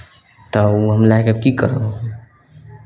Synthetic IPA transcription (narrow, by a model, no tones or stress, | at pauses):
t̪əuɦəmlakekikəɾə